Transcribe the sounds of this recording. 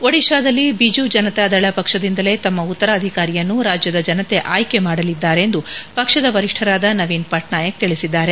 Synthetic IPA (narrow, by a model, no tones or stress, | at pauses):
ʋoɽiʃaːd̪ɐlːibid͡ʒud͡ʒɐnɐt̪eɐd̪ɐɭɐpɐkʂɐd̪ind̪ɐle̞t̪ɐmːɐut̪ːɐɾɐːd̪ʱikaːɾijɐnːuɾaːd͡ʒjɐd̪ɐd͡ʒɐnɐt̪e̞ʔaːjke̞maːɽɐlid̪ːaːɾeːnd̪upɐkʂɐd̪ɐʋɐɾiʂʈʰɐɾaːd̪ɐnɐʋiːnpɐʈnaːjɐk̚t̪iɭisid̪ːaːɾe̞